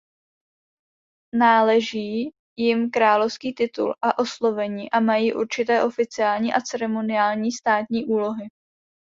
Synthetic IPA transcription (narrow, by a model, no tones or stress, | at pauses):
naːlɛʒiː | jɪmkɾaːlofskiːt̪ɪt̪ṵlʔaʔo̞slo̞vɛɲiːʔamajiːʔuɾt͡ʃɪt̪ɛːʔo̞fɪt͡sɪaːlɲiːʔat͡sɛɾɛmo̞nɪaːlɲiːst̪aːt̪ɲiːʔuːlo̞ɦɪ